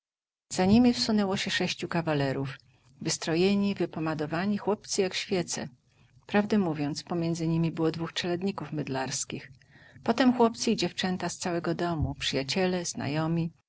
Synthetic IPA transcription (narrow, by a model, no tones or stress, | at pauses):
z̥aɲimʲifsunɛwɔɕɛʂɛɕt͡ɕukavalɛɾuv | vɘst̪ɾɔjeɲivɘpɔmad̪ɔvaɲixwɔp̚t̪sɘjakɕfʲjɛt̪sɛ̰ | pɾavd̪ɛmuvʲjɔnt̪spɔmʲjɛndzɘɲimʲibɘwɔd̪vuxt͡ʂɛlɛd̪ɲikufmɘd̪laɾskʲix | pɔt̪ɛmxwɔp̚t̪sɨid͡ʑɛft͡ʂɛnt̪ast̪sawɛɡɔd̪ɔmupʂɘjat͡ɕɛlɛz̥na̰jɔmʲi